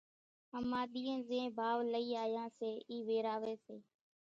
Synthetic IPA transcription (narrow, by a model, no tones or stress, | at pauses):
əmaːɗ̪iːə̃ːzẽːbʱaːʋləiːaːjãːseːiːʋeːɾaːʋeːseː